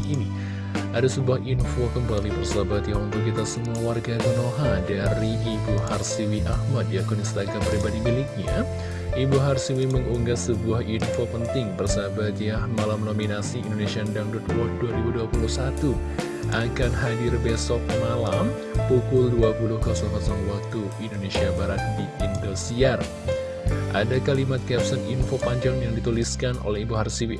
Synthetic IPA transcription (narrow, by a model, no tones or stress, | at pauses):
ini | ʔadasəbuahinfokəmbalibərsaɦabat̪jahunt̪ʊkːit̪asəmuawarɡakənoɦadaɾiibuharsiwiʔahmat̪̚jakuninst̪aɡampɾibadimilɪk̚ɲa̰ | ibuɦarsiwiməŋuŋɡasəbuahinfopənt̪ɪŋbərsaɦabat̪jahmalamnominasiindonesiandaŋdut̪̚kwɔt̪̚duaɾibuduapuluhsat̪u | ʔakanɦadɪrbesɔk̚malam | pukʊlduapulʊhkasɔŋkasɔŋwak̚t̪uindonesiabaɾat̪̚diindosiar | ʔa̰dakalimat̪̚kɛpsaninfopaɲd͡ʒaŋjaŋdit̪uliskanʔo̰lɛhibuɦarsiwi